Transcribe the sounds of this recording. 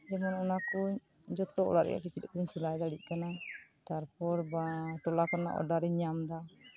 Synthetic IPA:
d͡ʒɛmanɔnaku | d͡ʒɔt̪ɔʔɔ̰laɾʔɛ̰a̰ʔkit͡ʃit̪̚ˀkuɲsilajd̪aɽiʔ̪̚kanat̪aɾpɔɾbaʈɔlakana̰ʔɔ̰ɖaɾɛɲamd̪a

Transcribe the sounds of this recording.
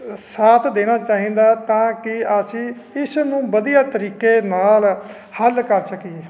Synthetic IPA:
saːt̪ʰd̪eːñaːt͡ʃaːɦĩːd̪aːt̪ãːkɪasi | ɪsnũːbəd̪ijaːt̪əɾiːkeːnaːl | həlkəɾsəkieː

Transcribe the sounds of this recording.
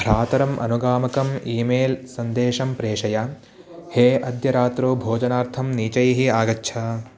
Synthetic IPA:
bʱɾaːt̪ɐɾɐmʔɐ̰nuɡaːmɐkɐmiːmeːlsɐnd̪eːʃɐmpɾeːʂɐja | heːʔɐd̪jɐɾaːt̪ɾoːbʱoːd͡ʒɐnaːɾt̪ʰɐmniːt͡ʃɐjɐɦiaːɡɐtːʃʰɐ

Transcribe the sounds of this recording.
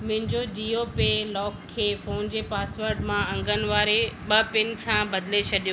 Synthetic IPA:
mʊ̃ɦɪ̃ɲd͡ʑod͡ʑiːopelɔːkʰːeːfoːnd͡ʑeːpaːsʋəɾɖmãɐ̃ŋɡʱənɪ̆ʋaːɾeɓɐpɪnɪ̆kʰãbɐd̪let͡ɕʰɐɗijo

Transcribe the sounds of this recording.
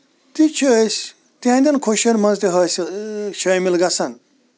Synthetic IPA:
t̪it͡ʃʰəsʲ | t̪iãnd̪ʲɐnkʰoʃɐɾmɐnzt̪iɦɐst͡ʃʰɐmilɡɐsɐn

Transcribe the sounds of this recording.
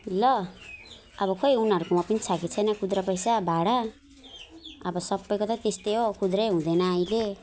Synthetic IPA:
lʌ | ʌbʌkʌjunʌɾukomapʌnit͡sʰakit͡sʰʌjnʌkud̪ɾʌpʌjsabʱaɽa | ʌbʌsʌbːʌjkot̪ʌt̪est̪eɦokud̪ɾʌɦũd̪ʌnʌʌile

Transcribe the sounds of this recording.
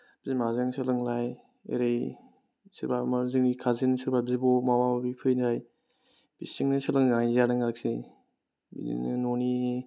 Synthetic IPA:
b̥izimazaŋsɯlɯŋlaj | ḛɾej | siɾbamaɾzɯŋnikʰazinsɯɾbabzibɔmawabbipʰɯjnzaj | b̥isiŋnɯsɯlɯŋzaŋizanɯŋak̚si | bḭḭnnoni

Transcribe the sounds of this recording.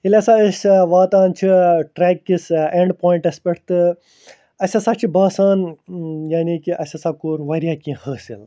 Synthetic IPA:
ilʲɐsaəsʲʋaːt̪aːnt͡ʃʰiʈɾɛːkːiseɳɖpoːĩɳʈɐspeʈʰt̪ɨ | ɐsʲɐsat͡ʃʰibaːsaːnjaːniːkiʔɐsʲɐsakoːɾʋɐɾjaːkĩːhəːsḭl

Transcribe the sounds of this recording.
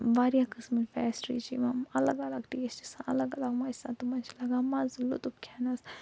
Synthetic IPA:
ʋaːɾijakɨsmɨlfɛːsʈɾḭt͡ʃʰḭmɐmɐlɐɡɐlɐɡʈ̪eːst͡ʃi̥sãʔɐlɐɡɐlɐɡmasãːt̪umant͡ʃʰilɐɡaːmazulṵt̪upkʲʰaːnɐs

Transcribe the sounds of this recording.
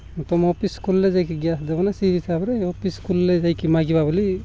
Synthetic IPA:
t̪ɔmɔpiskulːed͡ʒajkiɡjasdebɔnasiisabɾɛopʰiskulːed͡ʒajkimaɡibabɔli

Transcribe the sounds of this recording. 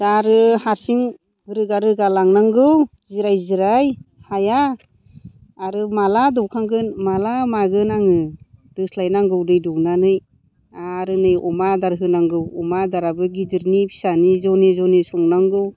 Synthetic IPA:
daɾɯhaɾsiŋ | bɯɾɯɡaɾɯɡalaŋnaŋɡɯw | ziɾajziɾaj | haja | ɾɯmaladɔwkʰaŋɡɯnmalamaɡɯnaŋɯdɯslajnaŋɡɯwdɯjdɔknanɯj | aɾɯnɯjɔmadaɾɦɯnaŋɡɯwɔmadaɾabɯɡidiɾnipʰi̥sanizɔnezɔnesɔŋnaŋɡɯw

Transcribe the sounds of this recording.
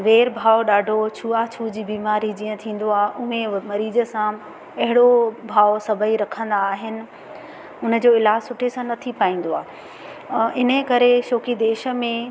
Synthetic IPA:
ʋeːɾbʱaːoɗaːɖʱot͡ɕʰuːat͡ɕʰuːd͡ʑiːbiːmaːɾid͡ʑĩːə̃t̪ʰĩːn̆d̪oaːɦʔʊɦẽmɐɾiːzə̆sã | ɐɦɪɽobʱaːosɐbʱəiɾɐkʰə̃nd̪aːɦɪnɪ̆ | ʊnə̆d͡ʑoːɪlaːsʊʈʰesãnɐt̪ʰipaːĩːn̆d̪oaːɦ | ɪnəkɐɾeʃoːkid̪eːʃə̆mẽ

